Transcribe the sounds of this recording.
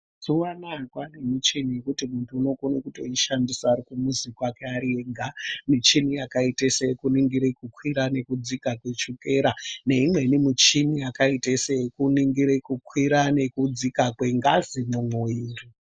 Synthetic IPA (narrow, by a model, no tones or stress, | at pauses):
suwanakwanemit͡ʃinijekutimuntʰuːno̞kunekutoiʃandisaːɾikumuzikwakeaɾieɡʱamit͡ʃinijakaitesejekuniŋɡiɾekukwiɾane̞kud͡zikakwe̞t͡ʃuke̞ɾane̞imwe̞nimit͡ʃinijakaitesejekuniŋɡiɾekukwiɾane̞kud͡zikakweŋɡazimomwoiːri